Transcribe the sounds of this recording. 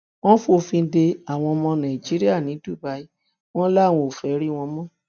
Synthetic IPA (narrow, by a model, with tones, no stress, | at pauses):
w̃ɔ̃˦fu˦o˧fĩ˧n̩˦de˧a˨w̃ɔ̃˧mɔ̃˧nã˨i˨d͡ʒi˨˦ɾi˦a˦˨nĩ˨˦du˦˨ba˧˦i˦ | w̃ɔ̃˦la˦˨w̃ɔ̃˧o˨fɛ˨˦ɾi˦w̃ɔ̃˧mɔ̃˦˨